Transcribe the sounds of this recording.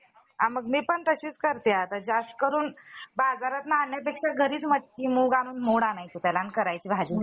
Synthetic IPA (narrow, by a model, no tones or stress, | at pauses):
aməɡmiːpəɳt̪əɕiːt͡skəɾt̪eat̪əɾd͡ʑast̪ə̥kəɾuːnbad͡zaɾat̪naːnjapekʂaɡʱəɾiːt͡sməʈ̪kiːmuːɡaɽuːnmoɽanajt͡ɕit̪ɛlankəɾajt͡ɕiːbʱad͡ʑi